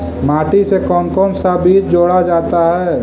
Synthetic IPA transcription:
maːʈisekɔːmkɔːmsabiːt͡ʃd͡ʒoːɽad͡ʒaːt̪aɦɛː

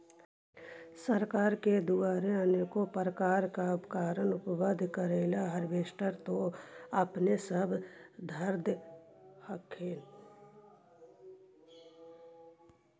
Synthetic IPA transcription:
səɾkaːɾked̪uaːɾeaːnekopɾəkaːɾkaʊpkaːɾənʊpʋəd̪ʱkəɾeːlaɦəɾʋeːʃʈəɾt̪oəpnesəbʱd̪ʱəɾd̪ | həkʰeːn

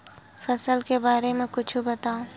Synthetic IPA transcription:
fɐsəlkebaːɾemẽkʊt͡ʃʰubɐt̪aːũː

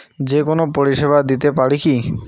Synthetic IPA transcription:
d͡ʑekonopoɾiʃeβad̪it̪epaɽiki

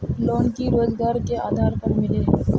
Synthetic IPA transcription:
loːnkiɾoːzɡaːɾkeaːd̪ʱaːɾpɐɾmɪle

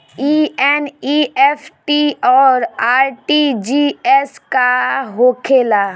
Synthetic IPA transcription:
iːɛniɛfʰʈiɔːɾaːɾʈid͡ʒiɛskaɦoːkʰeːla

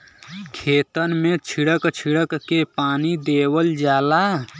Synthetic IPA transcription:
kʰeːt̪ənmẽt͡ʃʰiɽəkt͡ʃʰiɽəkːepaːnid̪eːwəld͡ʒaːla

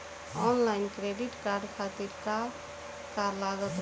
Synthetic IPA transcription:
ɔnlaɪnkɾeɖiʈkaɾɖkʰat̪iɾka | kaɾlaɡət̪

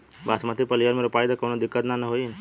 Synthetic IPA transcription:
basmat̪ipəlijəɾmeɾupajd̪akəwnod̪ikːət̪nanəɦoin

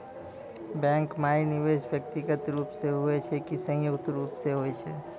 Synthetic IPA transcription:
bɛ̃ŋkmainiʋeʃbjək̚t̪iɡət̪ɾupseɦuet͡ʃʰɛkisə̃joɡt̪ɾuːpseɦoet͡ʃʰɛ

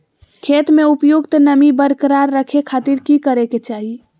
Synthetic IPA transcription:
kʰet̪meupjuɡt̪nəmibəɾkəɾaɾːəkʰekʰat̪iɾkikəɾeket͡ʃaɦi

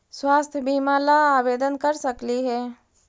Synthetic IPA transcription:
swaːst̪ʰjəbimalaaːbeːd̪ənkəɾsəkliɦɛː

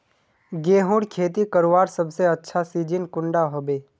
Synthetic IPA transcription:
ɡeːɦʊ̃ɽkʰeːt̪̬ikəɾʋaːɾsɐbseɐtːʃʰasiːd͡ʒɪnkʊ̃ɳɖaɦoːbeː

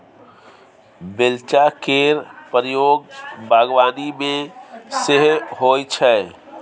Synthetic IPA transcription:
belt͡ʃakeɾpəɾjoɡbʱaːɡwaːnimẽseɦɦojt͡ʃʰɛ

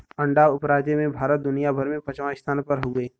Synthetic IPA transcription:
ɐ̃ɳɖaːʊpɾaːd͡ʒjemẽbʱaːɾət̪̚d̪ʊnijabʱəɾmẽpɐt͡ʃʋãɪst̪ʰaːnpəɾɦoːɡəeː

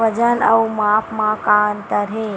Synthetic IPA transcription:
əd͡ʒənə̰ũmapʰmãkant̪əɾe

